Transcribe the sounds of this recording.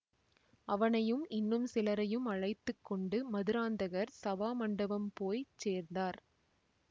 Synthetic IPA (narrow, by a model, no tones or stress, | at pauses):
ɐʋɐnɐjɯmɪnːɯmsɪlɐɾɐjɯmɐɻɐɪt̪ːɯkːɔɳɖɯmɐðɯɾaːnd̪ɐɣɐɾsɐʋaːmɐɳɖɐbɐmpoːjt͡ʃeːɾnd̪aːɾ